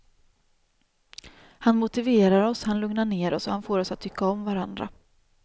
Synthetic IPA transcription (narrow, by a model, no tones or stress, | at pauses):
hanmʊt̪ɪveːɾaɾɔshanlɵŋnaɳeːɾɔsɔhanfoːɾɔsat̪ʰːʏkːaɔmvaɾand̪ɾa̰